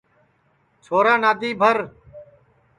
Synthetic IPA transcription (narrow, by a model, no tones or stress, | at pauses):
t͡ʃʰoːɾaːnaːd̪ʱiːbʱəɾ